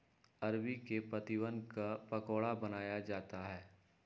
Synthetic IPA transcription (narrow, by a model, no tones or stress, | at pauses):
ɐɾbikepɾɐt̪iʋənkapɐkoːɽabɐnaːjad͡ʒaːt̪aɦɛː